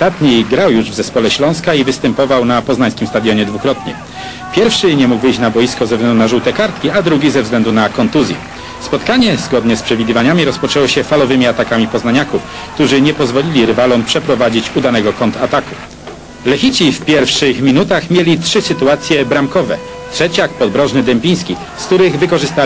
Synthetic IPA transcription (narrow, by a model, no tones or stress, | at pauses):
t̪at̪ɲijɡɾawjuʐvzɛspɔlɛɕlɔ̃w̃skaivɘst̪ɛmpɔvawnapɔznaɲskʲimst̪ad̪jɔɲɛd̪vukɾɔt̪ɲɛ̰ | pʲjɛɾfʂɘɲɛmuɡvɘjɕt͡ɕnabɔjiskɔzɛvzlɛnd̪unaʐuwt̪ɛkaɾt̪̚kʲiad̪ɾuɡʲizɛvzɡlɛnd̪unakɔnt̪uzʲjɛ̰ | spɔt̪kaɲɛzɡɔd̪ɲɛspʂɛvʲid̪ɘvaɲamʲiɾɔspɔt͡ʂɛwɔɕɛfalɔvɘmʲiat̪akamʲipɔznaɲakuf | kt̪uʐɘɲɛpɔzvɔlʲilʲiɾɘvalɔmpʂɛpɾɔvad͡ʑit͡ɕud̪anɛɡɔkɔnt̪ʰat̪aku | lɛxʲit͡ɕifpʲjɛɾfʂɘxmʲinut̪axmʲjɛlʲitʂɘsɘt̪uat̪sʲjɛbɾamkɔvɛ̰ | tʂɛt͡ɕjak̚pɔd̪̚bɾɔʐnɘd̪ɛmʲpʲij̃skʲi | sk̚t̪uɾɘɣvɘkɔʐɘst̪a